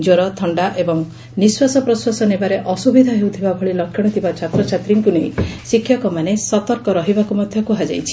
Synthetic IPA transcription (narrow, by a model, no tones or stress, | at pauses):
d͡ʒoɾɔt̪ʰɔɳɖaʔebɔŋ | niswasɔpɾɔswasɔnebaɾeʔɔsubid̪ʱaɦewt̪ʰibabʱɔɭilɔkʰːjɔɽ̃ɔt̪ʰibat͡ʃʰat̪ɾɔt͡ʃʰat̪ɾiŋkunejsikʰːjɔkɔmanesɔt̪ɔɾkɔɾɔɦibakumɔd̪ʱjɔkuɦad͡ʒa̰jt͡ʃʰi̥